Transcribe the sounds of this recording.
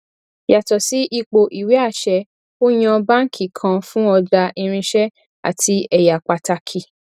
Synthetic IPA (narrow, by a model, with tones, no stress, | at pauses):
ja˨tɔ˨si˨˦ʔi˧k͡po˧ʔi˨wi˨˦a˦˨ʃɛ˧ | o˦j̃ã˧bã˦ŋ̩˦kʰi˨kʰã˧fũ˦ɔ˧da˧ʔi˧ɾ̃ĩ˧ʃɛ˦ | a̰˨tʰi˧ɛ˧ja˨k͡pa˨ta˧kʰi˨